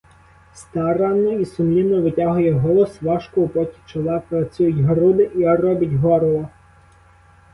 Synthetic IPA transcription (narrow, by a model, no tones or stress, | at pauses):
st̪ɑɾɑnɔisʊmlʲinɔʋɪtʲaɦʊjɛɦɔlˠɔsʋɑʃkɔʊpɔtʲi̥t͡ʃɔlˠɑpɾɐt͡sʲujʊtʲɦɐɾud̪ɪʔiɐɾɔbʲɐtʲɦɔɾlˠɔ